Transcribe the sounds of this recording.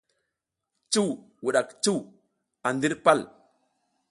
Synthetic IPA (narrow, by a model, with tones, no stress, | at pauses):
t͡ʃu˦w | wu˨ɗa˨kt͡ʃu˦w | a˨ndi˦ɾpa˦˨l